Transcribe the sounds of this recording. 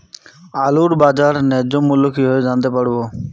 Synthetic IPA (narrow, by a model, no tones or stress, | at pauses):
aːluːɽbaːd͡ʒaːɾnɛ̃ːd͡ʒomːʊlʊkiɦoed͡ʒãːnd̪eːpəɽ̤boː